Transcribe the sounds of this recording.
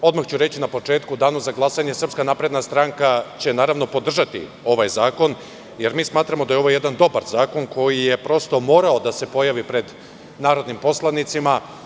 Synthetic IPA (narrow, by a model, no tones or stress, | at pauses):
o̞d̪maxt͡ɕuɾe̞t͡ɕinapo̞t͡ʃe̞ːt̪kud̪aːnuzaɡlˠasaɲe̞sr̩pskanapɾe̞d̪nast̪ɾaŋkat͡ɕe̞naːɾaʋno̞po̞d̪r̩ʒat̪ḭ | o̞ʋajzaːko̞n | je̞ɾmiːsmaːt̪ɾamo̞d̪ajeo̞ʋo̞je̞d̪and̪o̞baɾzaːko̞nkʰo̞jije̞pɾo̞st̪o̞mo̞ːɾao̞d̪ase̞po̞jaʋipɾe̞d̪ | naːɾo̞d̪nimpo̞slˠanit̪sima